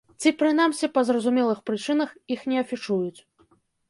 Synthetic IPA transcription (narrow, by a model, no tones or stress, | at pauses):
t͡sʲipɾɨn̪amsʲipɐzrɐzumʲɛlˠɨxpɾɨt͡ʂɨn̪ɐxixnʲɛɐfʲit͡ʂujut͡sʲ